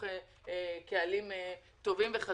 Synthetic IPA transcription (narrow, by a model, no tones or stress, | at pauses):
e | kealim | t̪o̞vimveχa